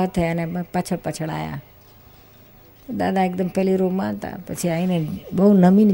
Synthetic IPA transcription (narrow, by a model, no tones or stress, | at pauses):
ət̪ʰːɐjanẽpɐt͡ʃʰəɽpət͡ʃʰəɽ̃a̰ːja̰ | d̪a̰ːd̪aek̚d̪əmpɛɦliɾomãnt̪a̰pɐt͡ʃʰiaĩnẽbɐɦunɐmin